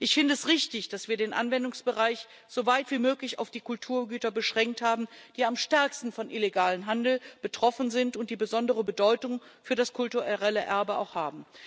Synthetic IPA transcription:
ʔɪçfɪndəɛsʁɪçtɪçd̥asv̥iːɐdeːnʔa̰nvɛndʊŋsb̥əʁaɪç | z̥ovaɪtv̥iːmøːklɪça̰ʊfd̥iːkʊltʰuːɐɡyːtɐbəʃʁ̥ɛŋk̚thaːbm̩d̥iːamʃtɛɐkstn̩fɔnʔɪleɡaːlənɦandl̩b̥ətʁ̥ɔfn̩zɪntʊnt̚d̥iːbəzɔndəʁəbədɔʏtʊŋfyːɐɾaskʰʊltuʁɛʁɛləʔɛɐbəa̰ʊxhaːbm̩

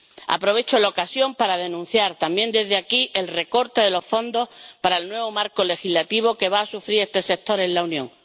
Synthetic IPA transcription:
a̰pɾo̞βe̞t͡ʃolaokasjo̞mpaɾaðe̞nũn̟θjaɾt̪ambje̞nd̪e̞zðeakiʔe̞lre̞ko̞ɾt̪e̞ðe̞lo̞sfo̞nd̪o̞hpaɾaelnwe̞β̞o̞maɾko̞le̞xizlat̪iβ̞o̞ke̞βaːsufɾiɾe̞st̪e̞se̞k̚t̪o̞ɾe̞nlaunjõŋ

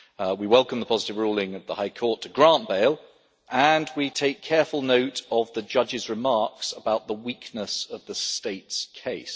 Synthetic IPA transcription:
wiwɛlˠkə̃mðəpʰɒzɪtɪvɹuːlˠɪ̃ŋət̪ðəhaɪkʰɔˑtʰəɡɹɑ̃ˑnb̥eɪlˠ | ʔə̃nwitʰeɪkʰːɛɹfəlˠnəʊtəvðəd͡ʒʌd͡ʒɪzɹɪmɑɹksəbaʊʔ̪̚ðəwiˑknəsəvðəsteɪtskʰeɪs

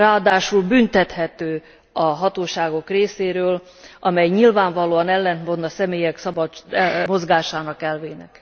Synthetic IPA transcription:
raːɒd̪aːʃulbynt̪ɛt̪hɛt̪øː | ɒɦɒt̪oːʃaːɡo̞kreːseːɾøːl | ʔɒmɛjɲilvaːɱvɒloːɒnɛlːɛnt̪mond̪ɒsɛmeːjɛksɒbɒt͡ʃmo̞zɡaːʃaːnɒkɛlveːnɛ̰k

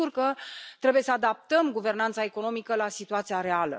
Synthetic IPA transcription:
urkət̪ɾe̞buje̞səad̪ap̚t̪əmɡuve̞rnant̪sae̞ko̞no̞mikəlasit̪uat̪sijaɾe̞alə̰

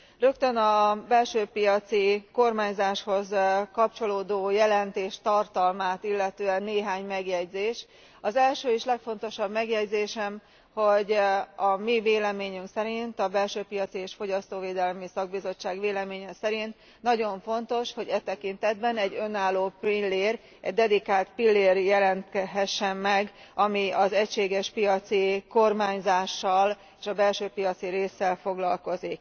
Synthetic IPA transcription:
rø̞kt̪ø̞nɒbɛlʃøːpijɒt̪siko̞rmaːɲzaːʃho̞zkɒp̚t͡ʃo̞loːd̪oːjɛlɛnt̪eːʃt̪ɒrt̪ɒlmaːt̪ilːɛt̪øːɛnːeːɦaːɲmɛɡjɛɟzeːʃ | ɒzɛlʃøːiʃlɛkfo̞n̪t̪o̞ʃɒbmɛɡjɛɟzeːʃɛm | ho̞ɟɒmiveːlɛmeːɲyŋksɛɾint̪ɒbɛlʃøːpijɒt̪sieːʃfo̞ɟɒst̪oːveːd̪ɛlmisɒɡ̚bizo̞t͡ʃːaːɡʋeːlɛmeːɲɛsɛɾint̪ | nɒɟo̞ɱfo̞nt̪o̞ʃho̞ɟɛt̪ɛkint̪ɛd̪bɛnɛɟːø̞nːaːlːoːpilːeːr | ɛ̰ɟd̪ɛd̪ikaːlt̪pilːeːrjɛlɛnt̪kɛɦɛʃːɛmːɛɡɒmiɒzɛcʃeːɡɛʃpijɒt̪siko̞rmaːɲzaːʃːɒl | eːʃɒbɛlʃøːpijɒt̪siɾeːsːɛlfo̞ɡlɒlko̞zik

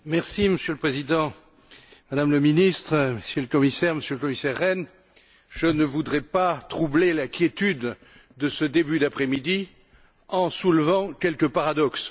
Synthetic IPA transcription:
mɛʁsiməsjøləpχezid̪ɑ̃ | mad̪amləminist̪χəməsjøləkɔmisɛʁməsjøləkɔmisɛʁːɛn | ʒənəvud̪ʁɛpat̪χublelɛ̃kʲjet̪yd̪ː | əsəd̪ebyd̪apχɛmid̪i | ɑ̃sulvɑ̃kʲɛlkəpaʁad̪ɔks

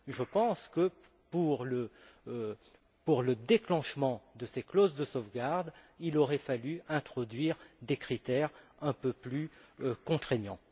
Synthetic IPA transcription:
ʒəpɑ̃skə | puʁlə | puʁləd̪eklɑ̃ʃmɑ̃d̪əseklozd̪əsovɡaʁd̪ilɔʁɛfalyɛ̃t̪χɔd̪ɥiʁd̪ekχit̪ɛʁɛ̃pøplykɔ̃t̪χeɲɑ̃

